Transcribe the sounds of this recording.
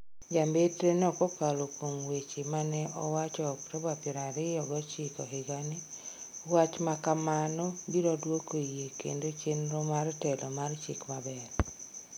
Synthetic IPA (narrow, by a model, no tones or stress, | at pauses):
d͡ʒambetɾenɛɔkɔkalokomwet͡ʃemanɛʔɔwat͡ʃɔpɾɔbapɪɾaɾɪjɔɡɔt͡ʃɪkɔɦɪɡanɪwat͡ʃmakamanobiɾɔdwokojekḛndot͡ʃenɾɔmartɛlɔmart͡ʃɪ̰kmabɛr